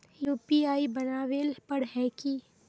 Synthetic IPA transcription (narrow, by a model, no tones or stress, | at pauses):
juːpiaːibɐnaːʋeːlpɐɽɦɛːki